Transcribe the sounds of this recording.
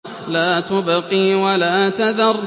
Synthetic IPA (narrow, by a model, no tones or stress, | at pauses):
laːt̪ʊbɑqiːwalaːt̪aðɑrˤː